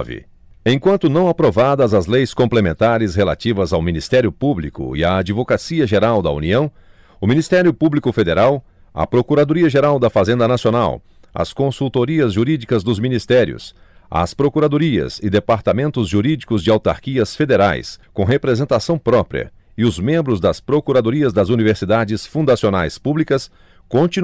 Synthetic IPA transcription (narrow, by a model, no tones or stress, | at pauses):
vɪ̰ | ẽj̃kwɐ̃nt̪ʊnɐ̃w̃apɾovad̪ɐzɐzlejskõplemẽnt̪aɾɪsɦela̰t͡ʃivɐzawmĩnist̪ɛɾjʊpublikʊ̰ɪaːd͡ʒivokasiɐʒeɾawd̪ɐṵniɐ̃w̃ | ʊmĩnist̪ɛɾjʊpublikʊfed̪eɾaw | ɐ̰pɾokuɾad̪oɾiɐʒeɾawd̪ɐfazẽnd̪ɐnasijona̰w | ɐ̰skõsuwt̪oɾiɐzʒuɾid͡ʒikɐzd̪ʊzminist̪ɛɾjʊ̰s | ɐ̰spɾokuɾad̪oɾiɐ̰sɪd̪epaɾt̪amẽnt̪ʊzʒuɾid͡ʒikʊzd͡ʒɪawt̪a̰ɾkiɐsfed̪eɾa̰jskõɦepɾezẽnt̪asɐ̃w̃pɾɔpɾḭɐ̰ | ɪʊzmẽmbɾʊzd̪ɐspɾokuɾad̪oɾiɐzd̪ɐzuniveɾsid̪ad͡ʒɪsfũd̪asionajspublikɐs | kõt͡ʃin